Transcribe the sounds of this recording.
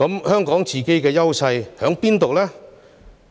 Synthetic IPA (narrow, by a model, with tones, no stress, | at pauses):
ɐ˨˥mhœː˥ŋkɔː˨˥ŋt͡siː˨˩ke˥jkɛː˧jɐ˥wsɐ˧jhœː˨˥ŋpiː˥nt̪o˨wlaː˥